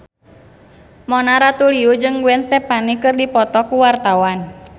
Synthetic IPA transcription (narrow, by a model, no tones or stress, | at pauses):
mɔnaɾat̪uliud͡ʒɨŋɡuɛnst̪ɛpanikɨrdipɔt̪ɔkuwart̪awan